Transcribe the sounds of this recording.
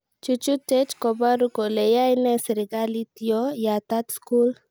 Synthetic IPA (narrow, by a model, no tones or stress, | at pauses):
t͡ʃut͡ʃutɛt͡ʃkɔbaɾukɔlejajnɛsɾiɡalit̪iɔjat̪at̪skul